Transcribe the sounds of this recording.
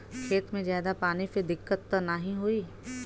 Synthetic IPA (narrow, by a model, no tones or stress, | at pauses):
kʰeːt̪mẽzjaːd̪apaːnised̪ɪkːət̪ːanaɦĩɦoiː